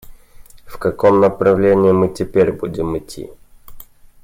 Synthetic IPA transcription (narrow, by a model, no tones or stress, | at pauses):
fkɐkomnəpɾɐvlʲenʲɪːmɨtʲɪpʲeɾʲbudʲɪmɪtʲʰːḭ